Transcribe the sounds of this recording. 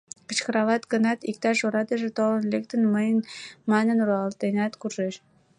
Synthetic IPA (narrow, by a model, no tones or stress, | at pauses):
kə̆t͡ɕkə̆ɾɑlɑt̪ɡənɑt̪ik̚t̪ɑʃoɾɑt̪əʒet̪olə̆nlek̚t̪ənməjənmɑnənɾɑlt̪enɑt̪kurʒeʃ